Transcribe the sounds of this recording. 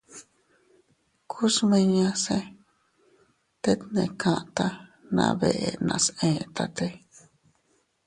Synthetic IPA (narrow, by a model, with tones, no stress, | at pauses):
kʰu˦smĩ˧ɲã˧sẽ˧ | t̪e˦t̪nẽ˧˨kʰã˧ʔt̪a˧nã̰˧βe˧˨ʔe˧nã̰˧sẽ˧˨t̪a˧t̪e˧